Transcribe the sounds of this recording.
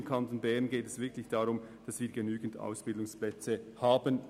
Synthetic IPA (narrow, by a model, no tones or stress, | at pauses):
mkʰɑntonbɛɐnɡeːtɛsv̥ɪɐkʰlɪçd̥aʁʊmd̥ɑsviːɐɡenyːɡn̩da̰ʊsb̥ɪldʊŋsplɛt͡səhaːbən